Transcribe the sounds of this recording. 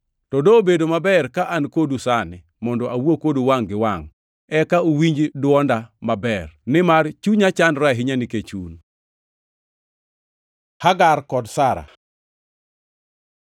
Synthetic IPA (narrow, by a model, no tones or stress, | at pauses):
tɔdobedomabɛrkaʔankodusanɪ | mɔndɔawwokoduwaŋɡɪwaŋ | ɛkaowiɲd͡ʒdwɔndamabɛrnɪmart͡ʃuɲat͡ʃanɾaɦiɲaniket͡ʃun | haɡaɾkɔdsaɾa̰